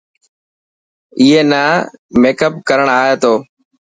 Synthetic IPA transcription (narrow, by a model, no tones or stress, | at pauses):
ɪːɦeːnaːmeːkəp̚kəɾəɳ̃aːɦeːt̪oː